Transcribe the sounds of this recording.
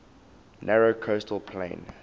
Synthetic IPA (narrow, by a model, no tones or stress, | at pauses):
nɛɹokʰostʰəlpʰlḛ̃ɪ̃n